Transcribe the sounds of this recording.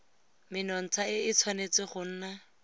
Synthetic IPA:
mɪnɔn̩t͡sʰaɪɪt͡sʰwanet͡sɪχʊn̩ːna

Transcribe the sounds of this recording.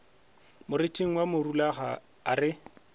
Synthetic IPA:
mʊɾɪtʼiŋ̩wamʊrulaχa̰ | a̰rɪ

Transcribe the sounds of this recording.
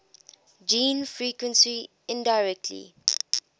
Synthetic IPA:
d͡ʒĩːnfɹiːkwə̃nsi | ɪ̃ndaɪɹɛk̚tʰlḭ

